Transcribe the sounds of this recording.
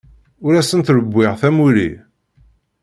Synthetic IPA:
ʊɾæsənt̪ɾəbʷːɪʁθæmulḭ

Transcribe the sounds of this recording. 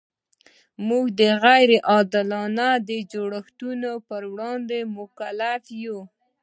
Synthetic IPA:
muɡd̪əɣajɾeʔɑd̪ɪlɑnad̪əd͡ʒoɽaxt̪unopəɾwɽɑnd̪emʊkalafju

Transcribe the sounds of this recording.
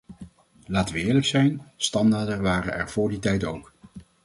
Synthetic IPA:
laːtəʋəɪːɹləksɛjnstɑndaːɹdənʋaːrənɛ̰ɹv̥ʊːɹditɛjtowk

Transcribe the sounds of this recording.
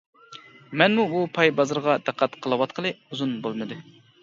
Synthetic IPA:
mɛnmuupʰɑjbɑzɨɾʁɑd̪̥æqʰːæt̪qʰəlˠɨwɑt̪qʰəlˠɨuzunbolˠmɨd̪ɨ

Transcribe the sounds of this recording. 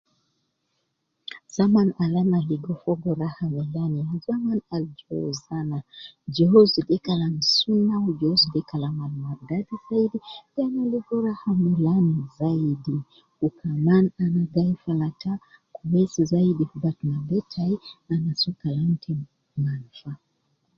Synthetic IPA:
z̥amanalanaliɡɔfɔɡɔɾahamɛlanizamanald͡ʒɔzanad͡ʒɔɔzidɛkalamsunaud͡ʒɔzidɛkalamanmaɾɡatiz̥aidipianaliɡɔɾahamilanizaidi | ukʰamananaɡaifalatakuwɛsizaidihubatnabɛtʰaianasukalan̩tʰi | ŋanfa

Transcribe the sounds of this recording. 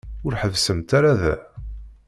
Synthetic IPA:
ʊɾħəvsəmt̪aɾaðæ̰

